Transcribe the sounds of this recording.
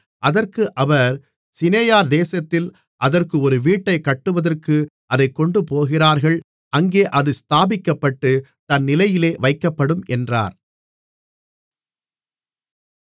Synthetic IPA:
ʔɐðɐrkɯʔɐʋɐɾ | sɪneːjaːɾd̪eːsɐt̪ːɪl | ʔɐðɐrkɯɔɾɯʋiːʈːɐɪkɐʈːɯʋɐðɐrkɯ | ʔɐðɐɪkːɔɳɖɯpoːɣɪraːɾɣɐɭ | ʔɐŋɡeːʔɐðɯst̪aːbɪkːɐpːɐʈːɯt̪ɐnːɪlɐjɪleːʋɐɪkːɐpːɐɽɯmʔɛndra̰ːɾ

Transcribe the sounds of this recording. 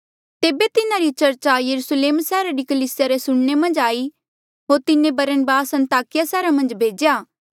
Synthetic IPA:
t̪eːbet̪ɪnaɾit͡ʃɐɾt͡ʃajɐɾusleːmsɛːɾaɾikɐliːsɪjaɾesʊɽɳemɐ̃nd͡ʒaːi | ɦoːɾt̪ɪnẽbɐɾənbaːsɐ̃nt̪aːkɪjasɛːɾamɐ̃nd͡ʒbʱeːd͡ʒjaː

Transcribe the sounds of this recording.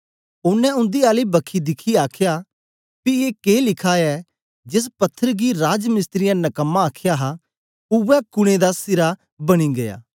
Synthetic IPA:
ʊnːɛ̃ʊ̃nd̪iaːlibɐkʰid̪ɪkʰiaːkʰja | pieːkeːlɪkʰaːɛ | d͡ʒɪs̬pɐt̪ʰːəɾɡiɾaːd͡ʒmɪst̪ɾɪjãnɐkəmːaːkʰjaɦa | ʊʋɛkʊɽ̃ed̪asɪɾa | bɐɽ̃iɡɐja̰ː

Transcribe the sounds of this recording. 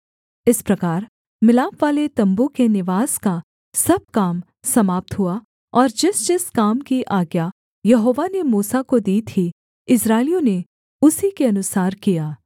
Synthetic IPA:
ɪspɾɐkaːɾ | mɪlaːpʋaːlet̪ɐ̃mbukenɪʋaːz̥ka | sɐb̚kaːm | sɐmaːp̚t̪ɦʊa | ɔːɾd͡ʒɪsd͡ʒɪskaːmkiʔaːɡja | jɐɦoːʋanemuːsakod̪iːt̪ʰi | ɪsɾaːɪlijõne | ʊsikeɐnʊsaːɾkijaː

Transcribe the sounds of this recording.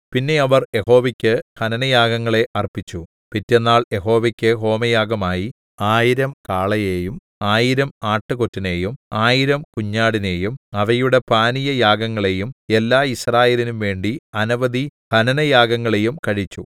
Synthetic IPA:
pinːe̞ɐʋɐrje̞ho̞ːʋikʲːɨhɐnɐnɐjaːɡɐŋːɐɭe̞ʔɐrpit͡ɕːu | pitːenːaːɭje̞ɦo̞ːʋɐkʲːɨɦo̞ːmɐjaːɡɐmaːji | aːjiɾɐmkaːɭɐjeːjum | aːjiɾɐmaːʈːɨko̞tːine̞ːjumaːjiɾɐmkuɲːaːɽine̞ːjumɐʋɐjuɽe̞paːnijɐjaːɡɐŋːɐɭe̞jume̞lːaːisraːjeːlinumʋe̞ːɳɖiɐnɐʋɐd̪ihɐnɐnɐjaːɡɐŋːɐɭe̞jumkɐɻit͡ɕːu

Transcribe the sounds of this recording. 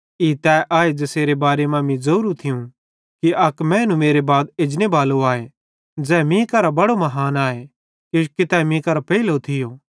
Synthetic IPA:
it̪ɛːʔaːed͡ʒeseːɾebaːɾemɐ̃mĩzɐuːɾut̪ʰɪjũ | kiɐkmɛ̃ːnũmeːɾebaːd̪̚ɪd͡ʒnebaːloaːe | d͡zɛːmĩkɐɾabɐɽomɐɦaːnaːe | kɪʃkit̪ɛmĩkɐɾapɐilot̪ʰɪjoː

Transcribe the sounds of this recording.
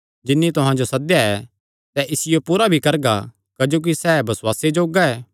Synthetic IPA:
d͡ʒɪnːit̪ʊɦãd͡ʒosɐd̪jaɛː | sɛʔɪsɪjopuːɾabʱikɐɾɡa̰ | kɐd͡ʒoːk̬isɛːbɐswaːsed͡ʒoːɡaɛː

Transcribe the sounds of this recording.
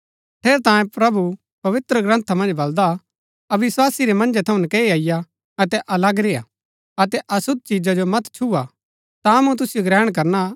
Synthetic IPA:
ʈʰeːɾt̪ãːjẽpɾɐbu | pɐʋɪt̪ɾəɡɾə̃nt̪ʰamɐ̃nd͡ʒbɐld̪a | ɐʋɪswaːsiɾemɐ̃nd͡ʒet̪ʰɐũnəkeːiaːɪja | ɐt̪ɛʔɐlɐɡɾeːa̰ | ɐt̪ɛʔɐsʊd̪̚t͡ʃid͡ʒad͡ʒomɐt̪t͡ʃʰua | t̪amũt̪̬ʊsɪjoɡɾɛːɽ̃k̬ɐɾna

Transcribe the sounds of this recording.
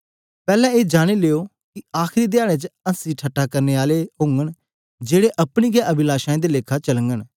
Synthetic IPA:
pɛːlɛ̃ːeːd͡ʒaːɽ̃eːleːoː | kɪaːxʰɪɾiːd̪ɪjaːɽ̃ẽːt͡ʃəəsiːʈʰəʈːaːkəɾneːaːleɦõːŋɡəɳ | d͡ʒeːɽeːʔəpɽ̃iːɡɛːʔəbɪlaːʃaːẽːd̪eːleːkʰaːt͡ʃələŋɡəɳ

